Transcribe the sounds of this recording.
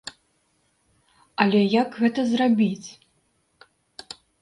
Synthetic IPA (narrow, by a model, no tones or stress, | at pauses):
ɐlʲɛjaɡɣɛt̪ɐzrabʲit͡sʲ